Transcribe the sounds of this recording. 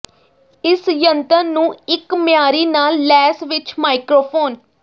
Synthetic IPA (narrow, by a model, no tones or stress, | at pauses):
ɪsjənt̪ənːũːɪkmɪjaːɾiːnaːlːɛːsʋɪt͡ʃmaːɪkɾoːpʰoːn